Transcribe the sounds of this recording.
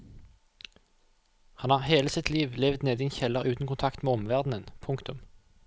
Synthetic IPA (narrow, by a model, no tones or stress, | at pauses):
hɑnhɑːʁheːləsɪt̪ʰliːʋlɛʋd̪neːd̪iːɛnçɛləʁʉːt̪n̩kʊnt̪ʰɑkt̪meːɔmʋæʁd̪nənpʰʊŋkt̪ʊm